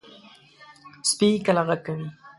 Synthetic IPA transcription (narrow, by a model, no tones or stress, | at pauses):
spikalaʁakawi